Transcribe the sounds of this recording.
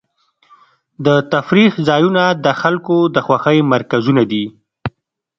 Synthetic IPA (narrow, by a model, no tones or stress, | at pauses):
d̪ət̪afɾixzɑjunad̪əxalkod̪əxwaxəjmaɾkazunad̪i